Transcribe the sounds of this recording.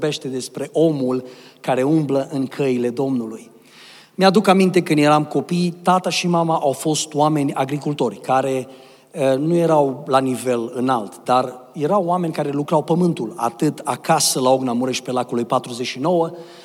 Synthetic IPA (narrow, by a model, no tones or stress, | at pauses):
be̞ʃt̪e̞d̪e̞spɾe̞ʔo̞mulkaɾe̞umbləʔɨŋkʰəile̞d̪o̞mnuluj | mjad̪ukamint̪e̞kɨnd̪je̞ɾamko̞pijt̪at̪aʃimamaʔawfo̞st̪wame̞nʲa̰ɡɾikult̪o̞rʲkaɾe̞ | ənuje̞ɾawlanive̞lɨnalt̪d̪arje̞ɾawame̞nʲkaɾe̞lukɾawpəmɨnt̪ula̰t̪ɨt̪akasəlaoɡnamuɾeʃpe̞lakulujpat̪ɾuze̞t͡ʃino̞wə